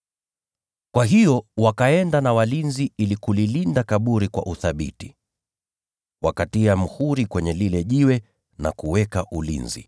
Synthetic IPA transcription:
kwaɦijɔwakaɛndanawalinziilikulilindakaɓuɾikwa̰ʔuθaɓḭti̥ | wakatiam̩huɾikwɛɲɛlilɛʄiwɛ | na̰kuwɛkaʔulḭnzḭ

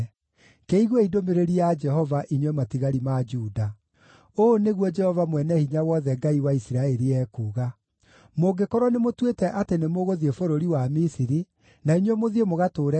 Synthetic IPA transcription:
keiɣwɔidomeɾeɾiad͡ʒɛɦɔvaʔiɲwɛmatiɣaɾimad͡ʒuːda | oːneɣwɔd͡ʒɛhɔvamwɛnɛhiɲawɔðɛɡaiwaisiɾaeɾiɛkuːɣa | moɡekɔɾwɔnemotwetɛʔatenemoɣoðiefoɾoɾiwamisiɾi | naiɲwemoðiemoɣatoːɾɛ

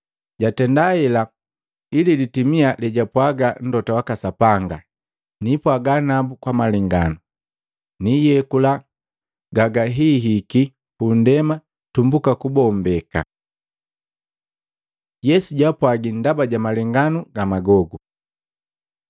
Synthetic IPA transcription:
ɟatɛndaɛla | ililitimialɛɟapwaɡan̩dɔtawakasapaŋɡa | nipwaɡanabukwamaliŋɡanu | nijɛkula | ɡaɡaɦiɦiki | hundɛma | tumbukakubɔmbɛka̰ | jɛsuɟapwaɡindabaɟamaliŋɡanuɡamaɡɔɡu

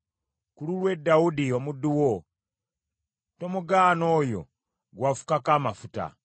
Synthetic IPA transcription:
kululwe̞dːaudiomuduwo | tomuɡaːno̞ːjo̞̰ | ɡwafu̥kakaːmafuta̰

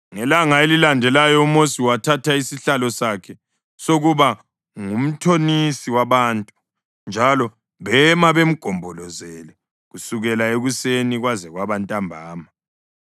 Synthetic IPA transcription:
ŋɛlaŋaelilandʱɛlajɔumosiwatʰatʰaisiɬalɔsakʰɛ | soɣuβa | ŋum̩tʰonisiwaβaːntʼu̥ | nd͡ʒʱalɔ | βɛmaβem̩ɡ̥ʱɔmbʱɔlɔzɛlɛ | ɣusuɣɛlaeɣuseniɣwazɛɣwaβantʼambʱaːma

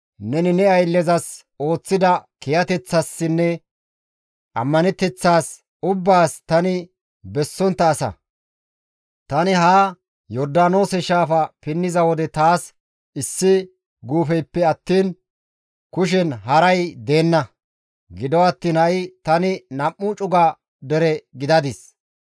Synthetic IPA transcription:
nɛnɪnɛɐjlːɛzɐs | o̞ːt͡sːɪd̪ɐkɛjɐt̪ɛt͡sːɐsːɪnːɛ | ʔɐ̰mːɐnɛt̪ːɛt͡sːaːs | ʊbːaːst̪ɐnɪ | bɛsːɔnt̪ːɐːsɐ̰ | t̪ɐnɪɦaː | jɔɾd̪aːno̞ːsɛʃaːfɐpɪnːɪzɐwɔd̪ɛt̪aːs | ɪsːɪ | ɡuːfɛjpːɛɐt̪ːiːn | kʊʃ̬ɛnɦɐɾɐjd̪e̞ːnːɐ | ɡɪd̪ɔwɐt̪ːiːnhɐɪt̪ɐnɪnɐmːʊt͡ʃʼʊɡɐ | d̪ɛɾɛɡɪd̪ɐd̪ɪs

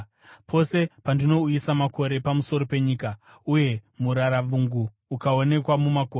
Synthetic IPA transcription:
pʰo̞se̞pandino̞uisamakʰo̞ɾe̞pamuso̞ɾo̞pe̞ɲiːka | uje̞muɾaɾaʋuŋɡuː | kao̞ne̞kwamumakoːe

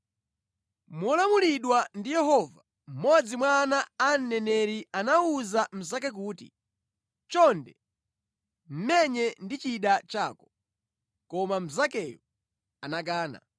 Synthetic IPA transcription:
mɔlamuliɗwandijɛɦɔva | m̩mɔd͡zimwanaːn̩ːɛnɛɾianauzam̩zakɛk̬uːtḭ | t͡ʃɔndɛ | m̩mɛɲɛndit͡ʃiɗat͡ʃa̰ːkɔ̥ | kɔmam̩zakɛju | anak̬aːna̰

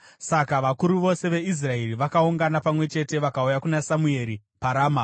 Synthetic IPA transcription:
sakaʋakuɾuʋo̞se̞ʋe̞is̬rae̞riʋakauŋɡanapamwe̞t͡ʃe̞te̞ʋakaujakunasamue̞ɾi | paɾaːma

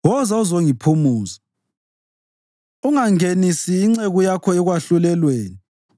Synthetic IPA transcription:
wɔzauzoŋipʰumuːza | uŋaŋenisiːŋ͡ǀeɣujakʰɔɛɣwaɬulɛlweːni

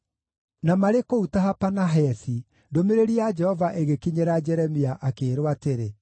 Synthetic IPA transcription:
namaɾekoutaɦapanaɦɛsi | domeɾeɾiad͡ʒɛhɔvaʔeɣekiɲeɾad͡ʒɛɾɛmiaʔakeːɾwateɾe

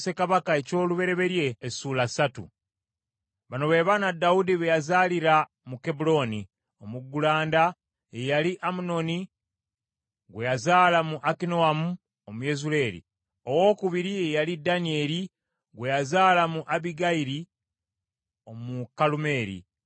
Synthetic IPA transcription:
se̞kaβakae̞co̞ːluβe̞ɾe̞βe̞ɾje̞ːsuːlasatṵ | βano̞βe̞ːβaːnadːaudiβejazaːliɾa | muke̞bulo̞ni | o̞muɡːulaːnda | ejaliʔamuno̞ni | ɡwe̞jazaːlamuʔakino̞amu | omuje̞zule̞ːɾḭ | o̞wo̞ːkuβiɾiejalidanie̞ːɾi | ɡwe̞jazaːlamuʔaβiɡaiɾi | omukalume̞ːɾḭ

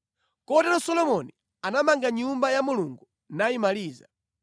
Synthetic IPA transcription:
kɔtɛɾɔsɔlɔmɔni | anamaŋɡaɲumbajamuluŋɡu | najimaliːza

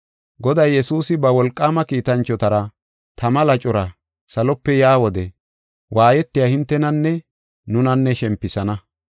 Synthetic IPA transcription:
ɡɔd̪ɐjːɛsuːsɪbɐwɔlkʼːaːmɐkiːt̪ɐnt͡ʃːɔt̪ɐɾɐ | t̪ɐmɐlɐt͡ʃʼɔɾɐ | sɐlɔpːɛjaːwɔd̪ɛ | wʔaːjɛt̪ːɪjaːhɪnt̪ːɛnɐnːɛ | nʊnɐnːɛʃɛmpːɪsɐnɐ

